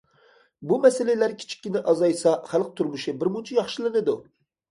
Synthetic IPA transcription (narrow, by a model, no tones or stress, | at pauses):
bumɛselɪlæɾkʲʰi̥t͡ʃʰi̥kʲːinɪʔɑzɑjsɑχælˠq̚t̪ʰuɾmuʃɪbɪɾmunt͡ʃʰijɑχʃɪlˠɨnɨd̪u